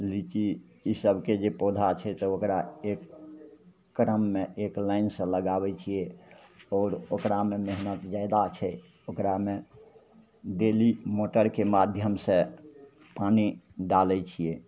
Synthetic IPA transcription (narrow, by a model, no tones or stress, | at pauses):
lit͡ʃiisəbʱked͡ʒepod̪ʱat͡ʃʰɛt̪ɔokɾaekː | ɾəmːeʔeklaɪnsə̃ləɡabɛt͡ʃʰijɛɔːɾokɾamemeɦnət̪d͡ʒajd̪at͡ʃʰɛ | okɾame | ɖelimoʈəɾkemad̪ʱjəmsẽ | paniɖalɛt͡ʃʰije